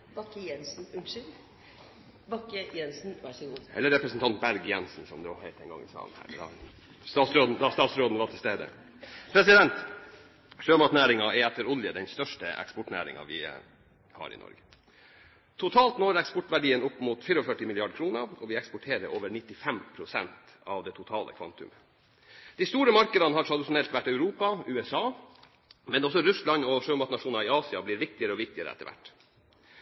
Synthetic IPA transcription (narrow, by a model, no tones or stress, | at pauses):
bɑkːəjɛnsn̩ʉnʃʏl | bɑkːəjɛnsn̩ʋɑsəɡuɛ̰lːəɾɛpɾəsnt̪ʰɑnt̪̚bæɾɡjɛnsn̩sɔmd̪oːhæɪt̪ɛŋɡɑ̰ŋːɪsɑ̰ːlnhæ̰ːɾd̪ɑ̰ | st̪ɑːt̪sɾoːd̪n̩d̪ɑst̪ɑːt̪sɾoːd̪n̩ʋɑʈʰɪlst̪eːd̪ə̰ | pʰɾɛsɪd̪ɛnt̪ | ʃøːmɑʈ̪næːɾɪŋɑɛɛt̪ːəɾʊljəd̪ɛnst̪œʂʈəɛ̰kspɔʈnæ̰ːɾɪ̰ŋɑ̰ʋɪ̰ | hɑ̰ːɾɪ̰nɔ̰ɾɡə | t̪ʰʊt̪ʰɑːlt̪nɔːɾɛkspɔʈːʋæɖiːənʊpːmʊt̪fiːɾɔfœʈːɪmɪlɪɑɖkʰɾuːnəɔʋɪɛkspɔʈʰeːɾəoːʋəɾɳɪt̪ːɪfɛmpʰɾʊsɛnt̪ | ɑʋd̪ɛt̪ʰʊt̪ʰɑːlʔə̰kʰʋɑ̰nt̪ʉ̰mə | d̪̥ɪst̪uːɾəmɑɾkəd̪ɑnəhɑʈʰɾɑd̪ɪʂʊnɛlt̪ʋæʈːœʉɾuːpɑʉːɛsɑː | mɛnɔs̬ɔɾʉslɑnɔʂøːmɑt̪nɑʂuːnɑɪɑːsɪɑblɪːɾʋɪk̚t̪ɪəɾəɔʋɪk̚t̪ɪəɾə̰ɛt̪ə̰ʋæ̰ʈː